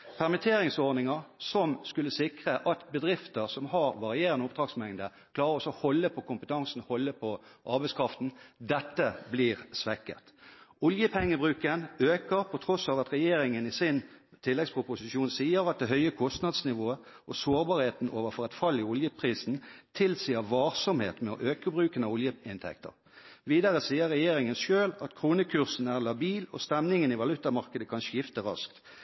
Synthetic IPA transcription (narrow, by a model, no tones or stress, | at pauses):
pʰæʁmɪt̪ʰeːɾɪŋsɔɾnɪŋəʁsɔmskʉlːəsɪkʁəʔɑt̪bəd̪ʁɪft̪əʁsɔmhɑːɾʋɑʁɪeːʁənəʊpd̪̥ʁɑːɡsmɛŋd̪ə | kʰlɑːɾəɾɔsɔhɔlːəpʰɔkʊmpət̪ʰɑŋsn̩hɔlːəpʰɔʔɑɾbæɪskʰʁɑft̪n̩d̪ɛt̪ːəbliːʁsʋɛkːə̰t̪ʊljəpʰɛŋːəbʁʉːkənøːkəʁpʰɔt̪ʰʁɔsɑːʋɑt̪ʁɛjeːɾɪŋənɪsɪnt̪ʰɪlːɛɡspʰʁʊpʊsɪʃuːnsiːəɾɑt̪̚d̪ɛɦœʏəkʰɔst̪nɑd̪snɪʋoːə | ʔɔsoːʁbɑːʁheːt̪n̩ʔo̰ːʋəfɔʁɛt̪fɑlːɪʊljəpʰʁiːsnt̪ʰɪlsiːəʁʋɑːʁsɔmhḛːt̪mɛɔ̰ʔøːkəbʁʉːkənɑʊljəɪnt̪ʰɛ̰k̚t̪ə̰ʁ | ʋiːd̪ɑʁəsiːəʁɛjeːɾɪŋənʃøːlɑt̪kʰʁuːnəkʰʉʁsn̩æʁlɑbiːlɔ̰st̪ɛmnɪŋənɪʋɑlʉt̪ːɑmɑʁkəd̪əkʰɑnʃjɪft̪əɾɑ̰skt̪